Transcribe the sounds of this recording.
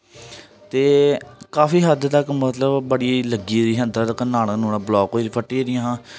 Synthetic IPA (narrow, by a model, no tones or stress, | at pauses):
t̪eːkaːfiːɦəd̪t̪əkmət̪ləbbəɽiːləɡiːɾiːɦə̃nd̪at̪əkənaːlanũːnãːblɔːkoːiɾipʰəʈːiːɾɪjãːɦãː